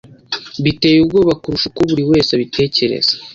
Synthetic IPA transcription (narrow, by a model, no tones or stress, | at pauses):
βite̞ːjubɡoːβakuɾuʃukoβuɾiwe̞ːsaβitʰe̞ːce̞ɾḛz̥ḁ